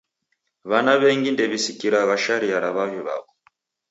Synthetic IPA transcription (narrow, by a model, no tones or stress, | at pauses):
βanaβɛŋɡindɛβisikiɾaβaʃaɾiaɾaβavjiβa̰βɔ